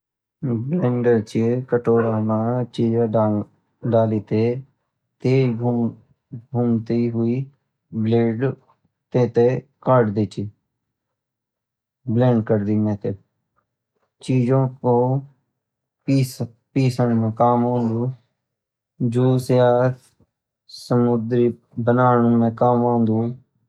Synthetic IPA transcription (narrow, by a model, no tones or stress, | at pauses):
blɛ̃ːɳɖəɾt͡ʃikəʈoːɾaːmãːt͡ʃiːd͡ʒãː | ɖaːliːt̪eː | t̪eːu | ɡʱuːmt̪iːɦʊiː | bleːɖ | t̪eːt̪ekaːɖd̪eːt͡ʃiː | blɛ̃ːɳɖkəɾd̪iːmɛ̃ːt̪eː | t͡ʃiːd͡ʒõːkoː | pi | piːsəɳmẽːkaːmãːnd̪ũː | d͡ʒoːsjaːt̪ | səmʊd̪ɾiː | bənaːɳũːmɛ̃ːkaːmãːnd̪ũː